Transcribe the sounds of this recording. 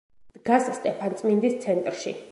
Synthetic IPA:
d̪̥ɡasst̪ʼɛpʰant̪sʼmind̪ist̪sʰɛnt̪ʼɾʃi

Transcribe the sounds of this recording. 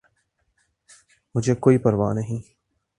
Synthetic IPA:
mʊd͡ʒʱeːkoːiːpəɾʋa̰ːnəɦĩː

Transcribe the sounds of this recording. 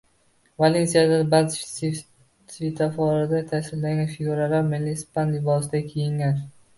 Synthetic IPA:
valensijad̪abalt̪t͡ʃs | t̪vɪt̪ʰafɒɾad̪at̪ʰasɪllaŋɡʲanfɪɡuɾalaɾmelːɪspanlɪbɒsɪd̪akʲʰejɪŋɡʲan

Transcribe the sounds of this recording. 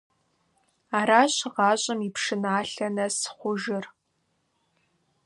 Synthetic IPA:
aːɾaːɕʁɑːɕʼɐmipʰʂɨnaːɬɐnɐsχʷʊʒɪr

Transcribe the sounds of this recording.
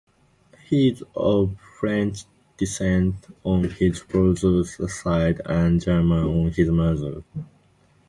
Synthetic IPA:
hizəfɹɛ̃nt͡ʃ | d̥isɛ̃ntɔ̃nhizpɹozəssaɪdæ̃nd͡ʒɛ˞mə̃nɔ̃nhizmazə̰l

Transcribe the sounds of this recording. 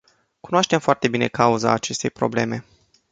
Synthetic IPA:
kunoaʃt̪emfoart̪e̞bine̞̰kauza̰ːt͡ʃe̞st̪e̞jpɾo̞ble̞me̞

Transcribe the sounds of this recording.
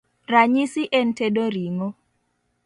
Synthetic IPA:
raɲisiʔen̩tedoɾiŋo

